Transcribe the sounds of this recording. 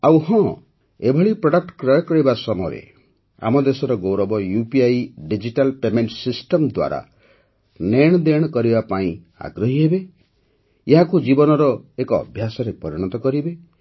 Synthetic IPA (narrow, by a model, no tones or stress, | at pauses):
awɦɔ̃ | ebʱɔɭipɾɔɽak̚ʈkɾɔjɔkɔɽibasɔmɔjɾḛ | a̰mɔd̪esɔɾɔɡowɾɔbɔjupiajɖid͡ʒiʈalpemeɳʈsisʈɔmd̪wa̰ɾa̰ | neɽ̃d̪eɽ̃kɔɾibapaĩ | a̰ɡɾɔɦiɦebe | eɦãkud͡ʒibɔnɔɾɔekɔ̰ːbʱjasɔɾepɔɾiɽ̃ɔt̪ɔkɔɾibe